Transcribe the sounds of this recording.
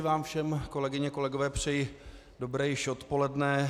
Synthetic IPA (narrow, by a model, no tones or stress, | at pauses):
vaːmfʃɛmko̞lɛɡɪɲɛko̞lɛɡo̞vɛːpr̝̥ɛji | do̞bɾɛːjɪʃot̪po̞lɛdnɛ